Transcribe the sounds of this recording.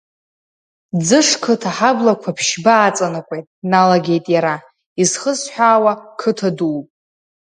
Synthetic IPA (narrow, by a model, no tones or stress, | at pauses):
d͡zɨʂkʰɨtʰaħablakʷʰapʰʃbaːt͡sʼanɨkʷʼe̞jtʼnalaɡʲe̞jtʼjaɾa | izχəsħʷᶣaːwakʰɨtʰaduːpʼ